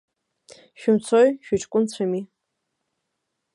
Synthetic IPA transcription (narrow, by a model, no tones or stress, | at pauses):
ʃᶣʊmt͡sʰojʃᶣaʈ͡ʂʼkʷʼʊnt͡ɕʷʰami